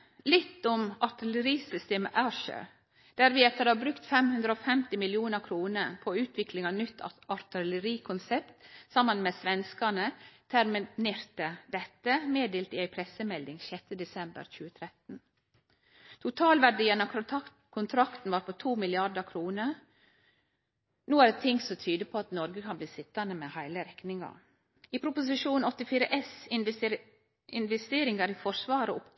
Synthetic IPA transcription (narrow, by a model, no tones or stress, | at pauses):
lɪt̪ːʊmɑt̪ɪləɾiːsʏst̪eːmə̰ʔæʃə̰ | d̪̥æɾʋiːɛt̪ːəd̪ɑbɾʉkt̪fɛmhʉnd̪ɾəoːfɛmt̪ɪmɪljɪuːnəɾkʰɾuːnəɾpʰoʉːt̪ʰʋɪklɪŋɑnʏt̪ʰːɑɾt̪ɪləɾiːkʰʊnsɛpt̪sɑmənmeːsʋɛnskɑɳət̪ʰæɾmɪneːɾt̪əd̪ɛt̪ːəmeːd̪eːlt̪ɪæɪpʰɾɛsəmɛld̪ɪŋʃɛt̪ːəd̪ɛsɛmbə̰ɾçʉːət̪ʰɾɛt̪n̩ | t̪ʰʊt̪ʰɑːlʋæɖiːənɑ | kʰʊnt̪ʰɾɑkt̪n̩ʋɑːɾpʰoːt̪ʰuːmɪlɪɑd̪əkʰɾuːnə | nuːæɖt̪ʰɪŋsɔmt̪ʰyːd̪əpʰoːɑt̪nɔɾɡəkʰɑnbliːsɪt̪ːɑnəmeːhæɪləɾɛknɪŋɑ̰ | iːpʰɾʊpʊs̬ɪʃuːnɔt̪ɪfiːɾəʔɛs | ɪnʋɛst̪eːɾɪŋɑɾiːfɔʂʋɑːɾəʊp